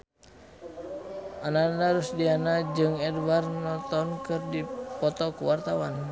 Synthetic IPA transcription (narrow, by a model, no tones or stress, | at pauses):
ʔanadaɾusdianad͡ʒɨŋɛdwarnɔt̪ɔnkɨrdipɔt̪ɔkuwart̪awan